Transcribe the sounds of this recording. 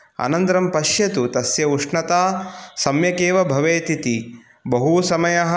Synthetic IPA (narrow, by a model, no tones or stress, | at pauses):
ɐ̰nɐnt̪ɾɐmpɐʃjɐt̪ut̪ɐsjɐuʂɳɐt̪aːsɐmjɐkeːʋɐbʱɐʋeːt̪it̪i | bɐɦusɐmɐjɐɦɐ